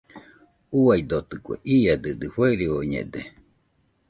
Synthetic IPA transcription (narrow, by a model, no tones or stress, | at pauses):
uaid̪ot̪ɨkʷḛʔiad̪ɨd̪ɨheɾioɲḛd̪e